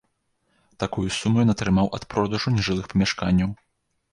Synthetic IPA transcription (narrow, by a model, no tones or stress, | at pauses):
t̪akujusumujɔnɐt̪ɾɨmawʔɐt̪pɾɔd̪uʐunʲiʐɨlˠɨxpɐmʲaʂkanʲːɐw